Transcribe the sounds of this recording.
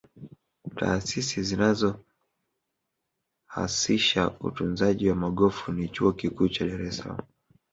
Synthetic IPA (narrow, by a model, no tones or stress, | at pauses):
ta̰ːsisizinazɔ | ha̰siʃaṵtunzaʄiwamaɠɔfunit͡ʃuɔkikuːt͡ʃaɗaɾɛsala̰mu